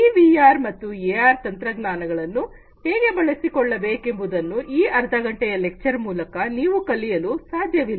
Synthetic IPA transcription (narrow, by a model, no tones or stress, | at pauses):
iʋiaːɾmɐt̪ːueaːɾt̪ɐnt̪ɾɐɡnaːnɐɡɐɭɐnːu | heːɡe̞bɐɭɐsikɔɭːɐbeːke̞mbud̪ɐnːuʔiːɐɾd̪ʱɐɡɐɳʈɛjɐlek̚t͡ʃɐɾmuːlɐkɐniːʋukɐlijɐlusaːd̪ʱjɐʋil